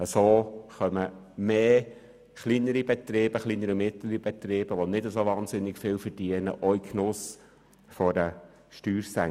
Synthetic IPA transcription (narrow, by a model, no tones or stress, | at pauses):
əsoːχœmə | meː | χlinəɾib̥ɛt̪ɾɪːb̥əχlinəɾimɪtləɾib̥ɛt̪ɾeːb̥əʋonɪdəsoʋɑːnsɪnːɪkfɪːlfəɾd̥iːənə̰ʔɔikʰnʊs | fɔdə | ʃtyːɾsɛ